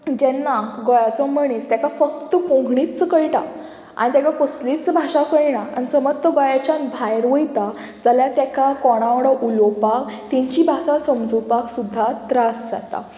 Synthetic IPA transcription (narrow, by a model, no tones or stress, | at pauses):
d͡ʑɛnːaɡɔjat͡sɔməɳ̃ist̪jakafəkt̪əkõŋɡʱɳit͡st͡skəjʈa̰ | a̰ñit̪jakakoslit͡sbʱaʂakəjɽaañisəmət̪ɔɡɔjat͡ɕãnbʱajɾʋəjt̪a | d͡zəljat̪jakakɔɽ̃aʋɽɔʔulɔpakt̪ĩɲt͡ɕibʱasasəmd͡zupaksud̪ʱːat̪ɾasd͡za̰t̪a̰